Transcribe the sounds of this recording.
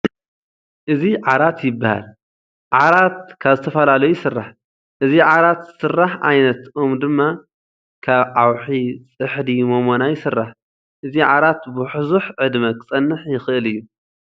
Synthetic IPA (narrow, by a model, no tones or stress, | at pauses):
ʔɨziʕaɾat̪jɪbːaha̰l | ʕaɾat̪̚kʰaβzɨt̪ʰɐfɐlalɐjusɨrːaħ | ʔɨziʕaɾat̪sɨrːaħʔa̰jnɐt̪omd̪ɨmːa | kʰaβʕawħit͡sʼɨħd̪imomo̞najɪsɨrːaħ | ʔɨziʕaɾat̪bɨħʊzuħʕɨd̪mɐkʰʼɨt͡sʼɐnːɨħjɪxɨʔɨlɨjːu